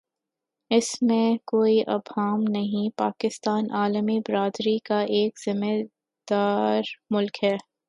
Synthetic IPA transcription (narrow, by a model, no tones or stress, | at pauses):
ɪsmẽkoːiʔɐ̰bʱaːmnɐɦĩpaːkɪst̪aːnʔaːləmibɪɾaːd̪ɾikaʔeːkz̥ɪme | d̪̥aːɾmʊlkɦɛː